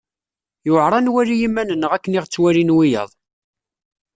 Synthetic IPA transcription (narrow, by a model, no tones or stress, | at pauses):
jʊʕɾˤɑnwæɾijimːænənːəʁækːənɪʁt͡sːwæɾinwijə̰ðˤ